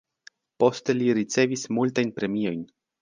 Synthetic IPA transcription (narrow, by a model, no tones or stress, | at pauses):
po̞ste̞liɾit͡se̞vismultajnpɾe̞mio̞jn